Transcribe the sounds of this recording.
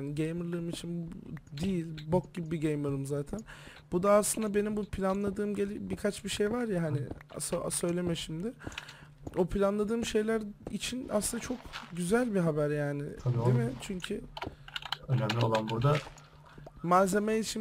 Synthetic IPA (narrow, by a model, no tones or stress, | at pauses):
nɪɟejmɯɾlˠɯɾɯmit͡ʃʰind̪ijilʲbok̚ɟibibiɟejmɯɾɯmzaːt̪ʰænbud̪aːslˠɯnd̪abe̞nimbupʰlʲanlˠad̪ɯːmɟelʲibikʰat͡ʃbiʃe̞jvaɾjaɦanɪsoasø̞jlʲe̞mɛʃimd̪ɪ | opʰlʲanlˠad̪ɯːmʃe̞jlʲæɾit͡ʃʰina̰slɯnd̪at͡ʃʰo̞kɟyzælʲbiɦabæɾjaːnɪ̰tʰaid̪emɪt͡ʃʰyɲcʰy | ønæmlʲiolˠanbuɾd̪a | maze̞meit͡ʃʰi